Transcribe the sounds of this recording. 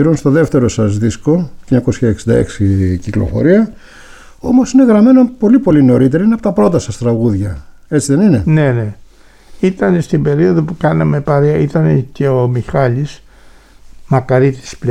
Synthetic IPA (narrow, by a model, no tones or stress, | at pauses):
iɾonst̪o̞ðeft̪e̞ɾosɐzðiskoɲɐko̞sçɐeksind̪ɐ̰e̞̰ksiciklo̞̰fo̞̰ɾiɐ | o̞mo̞sine̞ɣɾɐme̞nopo̞lipo̞lineoɾit̪̬e̞ɾɐineɐpot̪ɐpɾot̪ɐsɐst̪ɾɐɣuðʝɐ | e̞t͡siðe̞nine̞ne̞ne̞ | it̪ɐne̞st̪imbe̞ɾio̞ðo̞pukɐnɐme̞pɐɾeɐit̪ɐne̞ce̞omixɐlis | mɐkɐɾit̪i̥sple